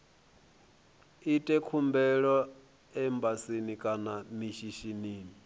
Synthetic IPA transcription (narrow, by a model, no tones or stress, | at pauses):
itʼɛkʰumbɛɺɔ | ɛmbasinikʼanamiʃiʃiniːni